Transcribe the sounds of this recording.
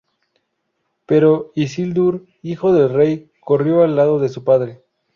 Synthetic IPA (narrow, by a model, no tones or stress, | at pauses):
pe̞ɾo̞is̬ild̪uɾ | ixo̞ðe̞lre̞j | ko̞rjo̞alːaðo̞ðe̞s̬upaðɾe̞